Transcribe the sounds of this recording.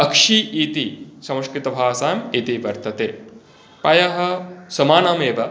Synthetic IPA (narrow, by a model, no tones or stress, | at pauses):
ɐkʂiːiːt̪isɐmɐskɾit̪ɐbʱaːsaːjɐmiːt̪iʋɐɾt̪ɐt̪eː | pɐjɐɦɐ̆sɐmaːnaːmeːʋɐ